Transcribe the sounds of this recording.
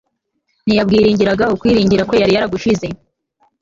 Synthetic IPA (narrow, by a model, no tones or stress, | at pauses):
nijab̚ɡiːɾiːɲɟiɾaɡaukwiːɾiːɲɟiɾako̞jaɾijaɾaɡuʃize̞